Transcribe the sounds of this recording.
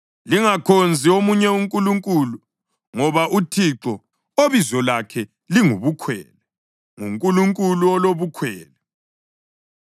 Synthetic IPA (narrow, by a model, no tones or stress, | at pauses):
liŋakʰond͡zʱiomuɲɛuŋkʼuluŋkʼulu | ŋɔβaʔutʰiǁɔ | oβizɔlakʰɛ | liŋuβukʰwɛ̰ːlɛ | ŋuŋkʼuluŋkʼuluɔloβukʰwɛːlɛ